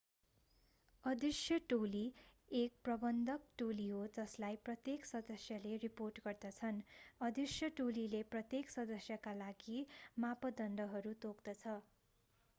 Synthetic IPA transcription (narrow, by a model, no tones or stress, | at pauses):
ʌd̪isjʌʈoliek̚prʌbʌnd̪ʱʌk̚ʈoliɦod͡zʌslajprʌt̪jeksʌd̪ʌsjʌleriporʈɡʌrd̪ʌt͡sʰʌnʌd̪isjʌʈolileprʌt̪jeksʌd̪ʌsjʌkalaɡimapʌd̪ʌnɖʌɦʌɾut̪okd̪ʌt͡sʰʌ